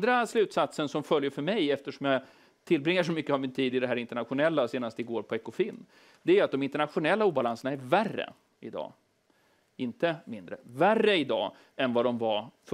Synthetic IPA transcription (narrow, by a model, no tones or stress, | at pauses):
d̪ɾaslʉ̟ːt̪sat̪sənsɔmfœljəɾfœɾmɛjɛft̪əʂɔmjɑ | t̪ʰɪlːbɾɪŋːəʂɔmʏkːəavmɪnt̪ʰiːd̪ɪd̪ɛɦæːɾɪnt̪əɳat̪ɧʊnɛlːaseːnast̪ɪɡoːɾpʰɔɛkʊfiːnː | d̪ɛæɾat̪̚d̪ɔmɪnt̪əɳat̪ɧʊnɛlːauːbalansəɳaæɾværːə̰ | ɪd̪ɑ̰ː | ɪnt̪əmɪnd̪ɾə̰værːəɪd̪ɑ̰ː | ɛnvad̪ɔmvaf